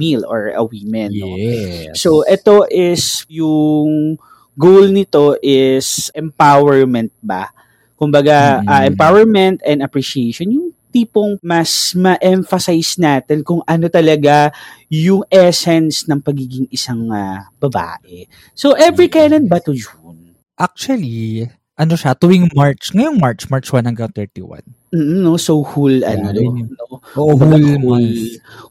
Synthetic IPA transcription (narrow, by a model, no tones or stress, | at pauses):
milo̰ɹɐ̰wiːmɛnː | soʔɛt̪o̞ʔɪsjʊŋ | ɡowlnɪt̪o̞ʔɪsʔɛmpawɛɹmɛnt̪̚ba̰ | kʊmbɐɡaʔɐʔɛmpawɛɹmɛnt̪ɛnd̪ɐpɹiʃieʃonjʊŋt̪iːpoŋmɐsmɐʔɛɱfɐsajsnaːt̪ɛnkʊŋʔɐno̞t̪ɐlɐɡajʊŋɛsɛnsnɐŋpɐɡiːɡɪŋɪsaŋabɐba̰ːʔɛ | soʔɛvɹikajnɐnbɐt̪ʊd͡ʒun | ʔak̚t͡ʃuɐli | ʔɐnoʃat̪uɪŋmaɹt͡ʃŋɐjoŋmaɹt͡ʃmaɹt͡ʃwanhɐŋɡɐjoŋt̪ɛɹt̪ḭwa̰n | m̩ːm̩nosowhulʔɐ̰nod̪onooʔohull